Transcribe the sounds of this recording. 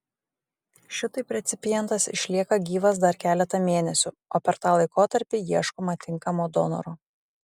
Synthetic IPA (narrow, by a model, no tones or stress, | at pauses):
ʃʲɪt̪ɐɪpʲɾʲɛt̪sʲɪpʲɪjɛnt̪ɐsɪ̰ʃʲlʲiɛkɐɡʲiːʋɐs̬d̪ɐɾkʲæːlʲɛt̪ɐmʲeːnʲɛsʲʊ | oːpʲɛɾt̪ɑːlˠɐɪkoːt̪ɐɾʲpʲijiɛʃkomɐt̪ʲɪŋkɐmoːd̪ɔ̰nɔ̰ɾoː